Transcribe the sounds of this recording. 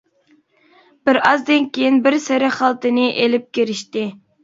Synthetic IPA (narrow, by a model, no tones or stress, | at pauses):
b̥ɪɾɑzd̪ɪnkʲʰejinbɪɾsɪɾɪχɑlˠt̪ɨnɨʔelɪp̚kʲeɾɪʃt̪ɪ